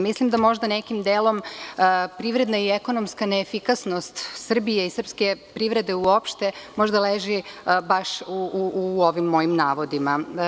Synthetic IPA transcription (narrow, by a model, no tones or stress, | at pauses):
mislimd̪amo̞ʒd̪anekimd̪eːlo̞m | pɾiʋɾe̞d̪naieko̞nomskaneːfikasno̞st̪sr̩bijeisr̩pskepɾiʋɾe̞d̪e̞uo̞pʃt̪e̞mo̞ʒd̪aleʒibaʃuuuoʋimːo̞jimnaːʋo̞d̪ima